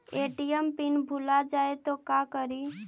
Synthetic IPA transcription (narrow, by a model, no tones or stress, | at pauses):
eːʈijəmpɪnbʱulad͡ʒaːet̪okakəɾi